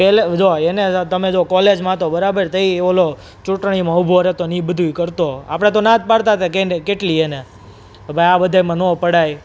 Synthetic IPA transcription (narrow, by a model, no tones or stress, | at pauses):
peled͡ʒoenet̪əmed͡ʒokɔled͡ʒmãt̪obəɾabəɾt̪ʰəieʋolo | t͡ʃuʈɳ̃imãubʱoɾet̪onĩbəd̪ʱuikəɾt̪oa̰pəɽ̃et̪onãt̪̚ʰpaɾt̪at̪ekenekeʈliene | bʱajabəd̪ʱajmãnopəɽaj